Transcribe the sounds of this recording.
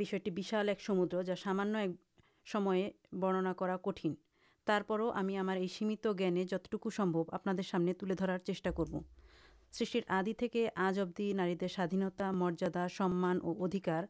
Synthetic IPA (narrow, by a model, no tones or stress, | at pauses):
biʃɔeʈibiʃalɛkʃomud̪ɾod͡ʑaʃamanːoɛk̚ | ʃɔmɔe | bɔɽ̃onakɔɾakoʈʰin | t̪aɾpɔɾoʔamiamaɾejʃimit̪oɡɛned͡ʑɔt̪o̥ʈukuʃɔmbʱoba̰pnad̪eɾʃamnet̪uled̪ʱɔɾaɾt͡ɕeʃʈakoɾbo | sɾiʃʈiɾad̪it̪ʰekeʔad͡ʑob̚d̪inaɾid̪eɾʃad̪ʱinot̪amɔɾd͡ʑad̪aʃɔmːanʔoʔod̪ʱikaɾ